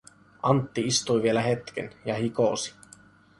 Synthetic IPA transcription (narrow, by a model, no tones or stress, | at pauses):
ʔɑnt̪ːiist̪ujʋielæɦe̞t̪k̟ḛnjɑhikoˑsi̥